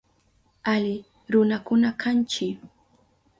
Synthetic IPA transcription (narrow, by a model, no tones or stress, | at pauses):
alɪ | ɾʊnakʊnakʰant͡ʃɪ